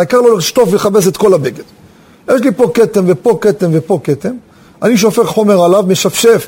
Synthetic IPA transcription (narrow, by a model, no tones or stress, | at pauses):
aikaʁloliʃt̪o̞fveleχape̞s̬e̞t̪ko̞labeɡed | jeʃ̬lipo̞ket̪emvepo̞ket̪emvepo̞ket̪em | aniʃ̬o̞fe̞χχo̞me̞ʁalavmeʃafʃef